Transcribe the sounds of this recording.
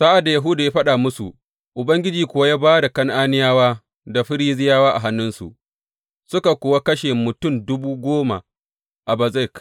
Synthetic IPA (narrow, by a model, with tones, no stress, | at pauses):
saː˦ʔa˨da˨ja˨ɦʊ˦daː˨jaː˦ɸɐ˦ɗaː˨mʊ˦su˨ | ʔʊ˨bɐ˦ŋɡʲɪ˦d͡ʒiː˨kʷʊ˦wa˦jaː˦baː˦da˨kɐ˦ŋʔaː˦nɪ˦jaː˦waː˦ | da˨ɸɪ˦ɽi˦zɪ˦jaː˦waː˦ʔa̰˨ɦa˦nːʊ˦nsṵ˨ʔ | sʊ˦ka˨kʷoː˨wa˦kɐ˦ʃeː˨mʊ˨tʊ˦˨mdʊ˦buː˦ɡʷoː˦ma̰˨ | ʔa˨ba˨za˦˨jk